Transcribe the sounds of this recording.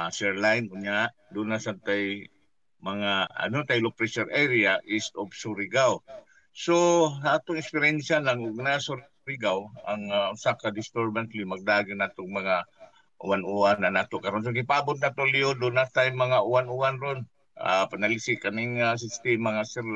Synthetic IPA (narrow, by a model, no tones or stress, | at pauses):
asɛɹlajnʊɲaʔ | d̪unasant̪aj | maŋaa̰not̪ajlopɾɛʃɛɾʔɛɾiaʔɪsobsuɾɪɡaw | sosaʔat̪ʊŋɛkspɪɾɛnʃalaŋʊɡnasʊɾ | ɾɪɡawaŋʊsakad̪ɪst̪ɛɾbant̪limaɡ̚d̪aːɡɪnat̪oŋmɐŋa | ʔʊ̰anuananaːt̪oʔkaɾons̬oɡɪpaabʊt̪nat̪oliod̪ʊnat̪ajmɐŋaʔʊwanʊwanɾon | a̰panalisɪkanɪŋːas̬ɪst̪ɛmaŋasɛɾl